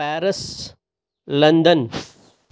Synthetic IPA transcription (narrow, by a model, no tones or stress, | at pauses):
ɛːɾəs | lɐ̃nd̪ən